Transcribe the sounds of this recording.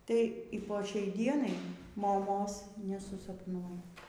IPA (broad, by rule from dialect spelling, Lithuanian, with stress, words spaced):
tɐɪ iː poː ˈʃʲɛɪ ˈdʲiɛnɐɪ moːˈmoːs nʲɛsʊsɐpˈnuɔ